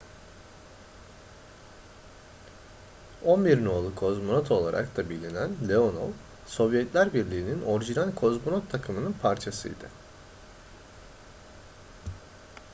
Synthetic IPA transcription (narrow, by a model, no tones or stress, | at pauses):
o̞nbiɾnualˠɯkʰo̞zmonot̪ʰo̞lˠa̰ɾʔa̰kt̪ʰabilʲinænlʲeo̞no̰lˠ | so̞vjɛt̪lʲæɾbiɾlʲiːnino̞ɾiʒinalʲkʰo̞zmonot̪ʰːakʰɯmɯnɯnpʰaɾt͡ʃʰasɯ̰jd̪̥ɯ̰